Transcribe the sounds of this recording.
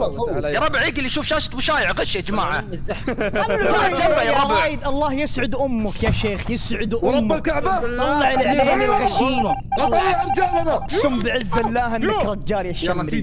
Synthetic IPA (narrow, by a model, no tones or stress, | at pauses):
jɑɾˤɑbʕiːkɪlːiʃuːfʃaːʃḁt̪mʊʃaːjɪʕqaʃːaʔɪd͡ʒmaːʕa̰ | aajjaˤɾˤɑːjɪd̪ʔɑlˤːɑːhjɪsʕʊd̪ʔʊmːʊkjaʃeːxjɪsʕʊd̪ʔʊmːkaʕbaɑlˤːɑʕɪlʕeːnɪlɣaʃiːmʔɑlˤːɑɾˤd͡ʒaanasˤʊmbɪʕɪzːlːaːhʔɪnːakɾˤɑd͡ʒːaːljaʃːamːɾi